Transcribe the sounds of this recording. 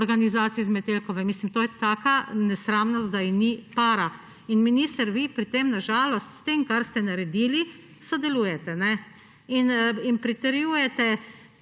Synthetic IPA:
ɔɾɡanizaːt̪sijizmɛt̪elkɔʋɛmiːslimt̪oːjɛt̪aːkanɛsɾamnɔst̪̚d̪ainipaːɾa | inminiːst̪əɾʋipɾit̪emnaʒaːlɔst̪st̪emkaɾst̪ɛnaɾɛd̪iːli | sɔd̪ɛluːjɛt̪ɛnɛ | ininpɾit̪ɛɾjuːjɛt̪ɛ

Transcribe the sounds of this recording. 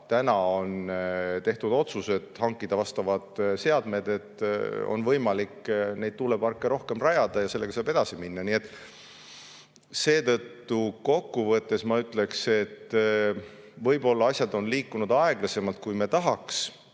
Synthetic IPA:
t̪ænɑo̞nt̪e̞ht̪ud̪̥o̞t̪suse̞d̪̥hɑŋkːˑid̪̥ɑvɑst̪ɑvɑd̪̥se̞ɑd̪me̞d̪̥e̞t̪ːo̞̰nvɤjmɑlikne̞jd̪̥̚t̪ulebɑrkːˑeɾo̞hke̞mrɑjɑd̪̥ɑjɑse̞lːeɡɑsɑːbe̞d̪̥ɑsiminːɑnie̞t̪ːˑ | se̞ːt̪ɤ̞t̪ːuko̞kːuvɤt̪ːˑe̞smɑyt̪ːˑle̞kse̞t̪ː | vɤjbo̞lːɑɑsʲjɑd̪o̞nliːkːˑunud̪̥ɑe̞ɡ̥lɑse̞mɑlt̪̚kujmet̪ɑɦɑks

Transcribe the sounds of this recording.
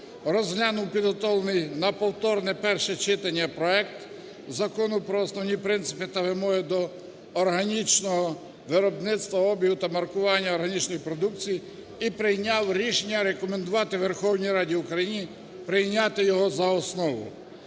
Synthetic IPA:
rɔzɦlʲanʊwpʲid̪ɦɔt̪ɔlˠenɪjnɐpɔwt̪ɔrnɛpɛrʃɛt͡ʃɪt̪ɐnʲːɐpɾɔɛkt̪ | zɐkɔnʊpɾɔːsnɔwnʲipɾɪnt̪sɪ̥pɪt̪ɐʋɪmɔɦɪd̪ɔː | rɦɐnʲit͡ʃnɔɦɔ | ʋɪɾɔbnɪt̪st̪ʋɐɔbʲjiɦut̪ɐmɐrkʊʋɑnʲːɐɔrɦɐnʲit͡ʃnɔjipɾɔd̪uk̚t͡sʲiji | ipɾɪjnʲɑwɾʲiʃenʲːɐɾekɔmend̪ʊʋɑt̪ɪʋerxɔwnʲijɾɑdʲiʊkɾɐjinʲi | pɾɪjnʲɑt̪ɪjɔɦɔzɐɔsnɔʋʊ̰

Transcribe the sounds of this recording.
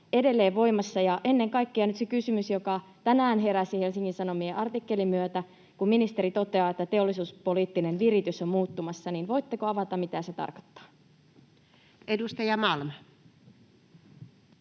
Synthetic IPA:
ede̞lːeːʋʋo̞imɑsːɑjɑʔe̞nːeŋkɑikːeɑnyt̪sekysymysjokɑt̪ænæːnɦeɾæsihelsiŋkinsɑnomieʔɑrt̪ikːe̞limyøt̪æ | kumminist̪e̞ɾit̪o̞t̪eɑːet̪ːæt̪eolːˑisuːspoliːt̪ːinenʋirit̪ysommuːt̪ːumɑsːɑniːnʋo̞it̪ːekoɑʋɑt̪ɑmit̪æset̪ɑ̰rko̥t̪ːɑ̥ː | edust̪ɑjɑmɑlmɑ

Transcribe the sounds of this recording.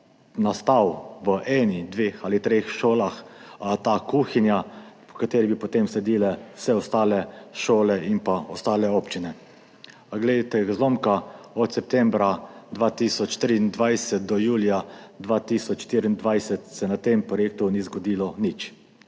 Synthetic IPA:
nast̪awʋəʔɛːnixd̪ʋeːxalit̪ɾeːxʃoːlaxt̪akuːxinjapɔ̥kat̪eːɾibipɔt̪emslɛd̪iːlɛwsɛɔst̪aːlɛʃoːlɛimpaɔst̪aːlɛoːpt͡ʃinɛ | ɡled̪et̪ɛɡazloːmkaɔt̪sɛp̚t̪ɛmbɾad̪ʋaːt̪iːsɔt͡ʃt̪ɾiːnd̪ʋajsɛt̪̚d̪ɔjuːlijad̪ʋaːt̪iːsɔt͡ʃʃt̪iɾiind̪ʋajsɛt̪sɛnat̪empɾɔjeːk̚t̪unizɡɔd̪iːlɔnit͡ʃ

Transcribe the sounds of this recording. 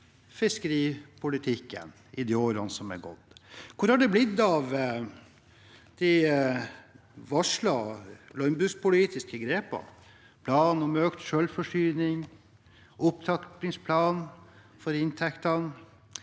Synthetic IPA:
fɪskəɾiːpʰʊlɪt̪ʰɪkːə̰n | ɪd̪ɛoːɾɑnəsɔmɛ̰ɡɔ̰d̪kʰʊɾhɑɖɛblɪd̪ːɑʋ | d̪̥ɛ | ʋɑʂlɑlɔnbɾʉspʊliːt̪ɪskəɡɾeːpɑ̰ | pʰlɑːnɔmøːkt̪ʃœlfɔʂyːnɪŋ | ʊpt̪ʰɑk̪ɪŋspʰlɑːn | fɔɾɪnt̪ʰɛkt̪ɑn

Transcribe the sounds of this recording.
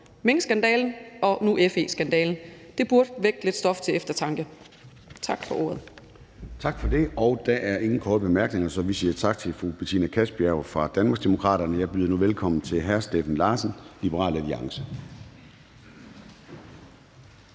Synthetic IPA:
meŋəsɡ̥ænd̥ɛ̰ːln̩ɒ̽nuʔefe̝̰sɡ̥ænd̥ɛ̰ːln̩d̥e̝b̥uɐd̥ʋeɡ̥d̥le̝d̥sd̥ɒ̽ft͡sʰe̝efd̥ɐt͡sʰɑ̈ŋɡ̥ə | t͡sʰɑ̈ɡ̥fɒ̽ʔo̝ːɐð̞̩ˠ | t͡sʰɑ̈ɡ̥fɒ̽d̥e̝ɒ̽ʊd̥æʔæɐʔe̝ŋn̩kʰɒːd̥əb̥e̝mæɐɡ̥ne̝ŋɐsɒ̽ʋisiːɐt͡sʰɑ̈ɡ̥̚t͡sʰe̝fʁub̥et͡sʰḭːnækʰæsb̥iæʊfʁɑ̈d̥ænmɑ̈ːɡsd̥e̝mo̝kʰʁɑ̰̈ːɾ̥ɐnəjɑ̈ɪb̥yːðˠɐnuʋelkʰɒ̽m̰n̩t͡sʰe̝lɦæɐsd̥ḛːfæn̩lɑ̈ːsən̩lib̥əʁɑ̰̈ːlæliɑ̈ŋsə

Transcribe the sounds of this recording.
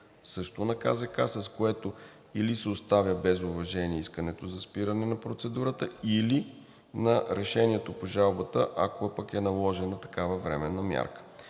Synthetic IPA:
sɤʃt̪onɐka̰zəkasɐskoɛt̪o | ilisɛost̪avʲjəbɛzʊvɐʒɛniɛiskənɛt̪ozɐspiɾɐnɛnɐpɾot̪sɛd̪uɾət̪əili | nɐɾɛʃɛniɛt̪opoʒalˠbət̪əʔɐkoɛpəkɛnɐlˠɔʒɛnɐt̪ɐ̥kavɐvɾɛmɛnːɐmʲja̰ɾkə̥

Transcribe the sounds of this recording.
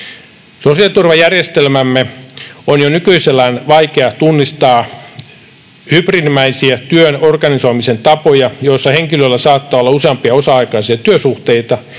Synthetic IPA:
sosiɑt̪urʋɑjærjest̪elmæmːeonjonykyiselːæːnʋɑikeɑt̪unːist̪ɑː | hyprinmæisiæt̪yønorɡɑnisoimisent̪ɑpojɑjoisːɑheŋkilølːæsɑːt̪ːɑːolːɑuseɑmpiɑosɑɑikɑisiɑt̪yøsuht̪eit̪ɑ

